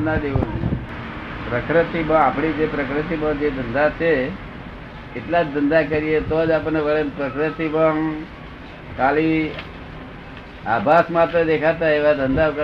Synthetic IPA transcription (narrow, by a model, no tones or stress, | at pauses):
nad̪iʋən | pɾəkɾɪt̪ibəapɳ̃id͡ʒepɾəkɾɪt̪̬ibəŋd͡ʒed̪ʱənd̪at͡ʃʰe | ɪt̪lad͡ʒd̪ʱənd̪akəɾijet̪od͡ʒap̬əɳneʋəɭenpɾəkɾɪt̪ibəŋ | kali | abʱasmat̪ɾəd̪ekʰat̪aeʋad̪ʱənd̪akə